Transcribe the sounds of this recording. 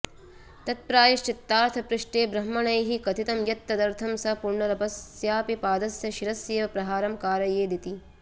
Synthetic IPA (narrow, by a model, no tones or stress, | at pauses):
t̪ɐt̪̚pɾaːjɐʃt͡ʃit̪ːaːɾt̪ʰɐpɾɨʂʈeːbɾɐmːɐɳɐjɦikɐt̪it̪ɐmjɐt̪ːɐd̪ɐɾt̪ʰɐmsɐpuɾɳɐɾɐbɐsjaːpipaːd̪ɐsjɐʃiɾɐsjeːʋɐpɾɐɦaːɾɐmkaːɾɐjeːd̪it̪i